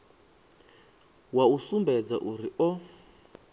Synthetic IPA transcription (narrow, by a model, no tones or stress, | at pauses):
wausumbɛd͡za̰ʔuɾiʔɔ